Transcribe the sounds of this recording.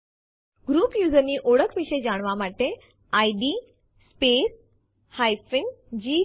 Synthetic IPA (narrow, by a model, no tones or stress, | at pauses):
ɡɾuːpjuːzəɾniːʔoɽəkʰʋiʃəjd͡ʑaɽ̃ʋamaʈe | aiɖiː | speːs | hajfɪ̃ŋɡd͡ʑiː